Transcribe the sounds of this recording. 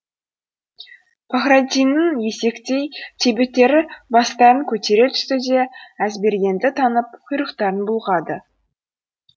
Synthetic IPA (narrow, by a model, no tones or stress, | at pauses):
pʰaχɾad̪ʲijnːəŋje̞se̞kt̪e̞jt̪ʰe̞bet̪ːe̞ɾɪbɑst̪ɑɾəŋkʲʰɵt̪e̞ɾe̞t̪ʰʏ̥st̪ɪd̪e̞æzbe̞ɾɡʲe̞nd̪ɪt̪ʰɑnəp̚qʰʊjɾəqt̪ɑɾənbʊlˠʁɑd̪ə